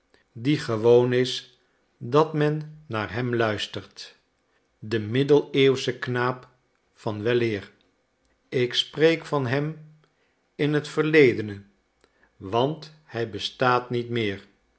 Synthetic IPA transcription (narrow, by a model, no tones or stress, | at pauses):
diχəʋownɪs | dɑtmɛnːaːɹɦɛmlœɥstəɹt | dəmɪdəlˠeːwsəknaːp | fɑnʋɛlɪːr | ɪksprejkfɑnɦɛm | ɪnɦətfəɹlejdənə | ʋɑnt | hɛjbəstaːtnitmɪːɹ